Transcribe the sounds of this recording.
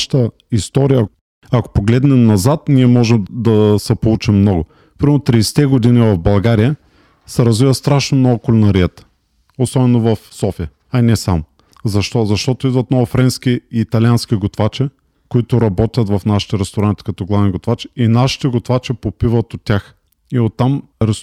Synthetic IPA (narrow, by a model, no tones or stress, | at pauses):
ʃt̪ə | ist̪ɔɾijə | ɐko̥poɡlɛd̪nɛmnɐzat̪nʲiɛmɔʒɛmd̪ɐsɛpolˠut͡ʃimːnɔɡʊ | pɾimɛɾnot̪ɾisɛ̥t̪ɛɡod̪inivɐvbɐlˠɡaɾijə | sɛɾɐzvivəst̪ɾaʃnomnɔɡʊkolɛnɐɾiət̪ə̥ | osɔbɛnovɐfsɔfijə | ɐinɛsamʊ | zɐʃt̪ɔzɐʃt̪ɔt̪ʊid̪vɐt̪nɔɡʊfɾɛnskʲiːt̪ɐlʲiansk̟iɡot̪vat͡ʃɛ | koit̪ʊɾɐbɔt̪ʲət̪vɐfnaʃi̥t̪ɛɾɛst̪oɾant̪ʲi̥kɐt̪ɔɡlˠavnʲiɡot̪vat͡ʃɛ̥inaʃi̥t̪ɛɡot̪vat͡ʃɛpopivət̪ot̪ʲːax | iot̪ːamɾɛs